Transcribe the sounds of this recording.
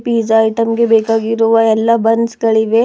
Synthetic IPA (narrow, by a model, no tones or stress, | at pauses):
piːd͡ʒːjʈɐmɡebeːkaːɡiɾuʋɐɛlːabɐnsɡɐɭiʋe